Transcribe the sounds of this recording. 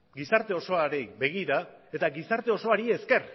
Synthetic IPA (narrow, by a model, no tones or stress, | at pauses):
ɡisaɾt̪e̞o̞so̞aɾejbe̞ɣ̞iɾae̞t̪aɡisaɾt̪e̞o̞so̞aɾie̞ske̞r